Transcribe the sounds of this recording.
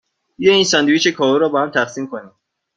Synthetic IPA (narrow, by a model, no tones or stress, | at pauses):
jeinsænd̪uit͡ʃekʰɒːvuɾɒːbɒːhæmt̪ʰæxsiːmkʰoniː